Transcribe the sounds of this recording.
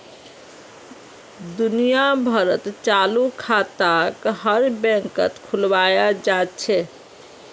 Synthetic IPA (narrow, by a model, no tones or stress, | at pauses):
d̪unijabʱəɾət̪t͡ʃalukʰat̪akɦəɾbɛ̃ŋkə̰t̪kʰulʋajad͡ʒat͡ʃʰɛ